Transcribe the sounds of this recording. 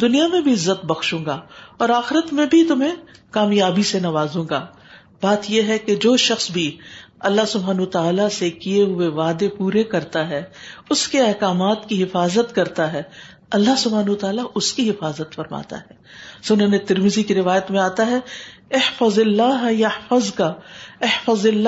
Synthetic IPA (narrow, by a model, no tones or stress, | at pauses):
d̪ʊnijamẽbʱiɪzːət̪bɐxʃũːŋɡaːɔːɾaːxɪɾət̪mẽbʱit̪ʊmɦẽkaːmjaːbisenɐʋaːzõːɡa̰ː | baːt̪jeɦɛked͡ʒoːʃɐxsbʱiɐlːaɦsʊbʱɦaːnot̪aːlasekijeɦʊeʋaːd̪epuːɾekɐɾt̪aɦɛːʊskeɛɦkaːmaːt̪kiɦɪfaːzət̪kɐɾt̪aɦɛː | ɐlːaɦsʊbʱaːnɦʊt̪aːlaʔʊskiɦɪfaːzət̪fɐɾma̰ːt̪a̰ɦɛː | sʊʊnõːnet̪ɐɾmɪzikiɾɪʋaːjət̪mẽaːt̪aɦɛɪhfəzɪlːaːɦjɐhfəzkaɪhfəzɪlː